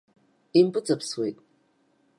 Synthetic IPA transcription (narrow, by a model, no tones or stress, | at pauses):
impʼɨt͡sʼɐpswetʼ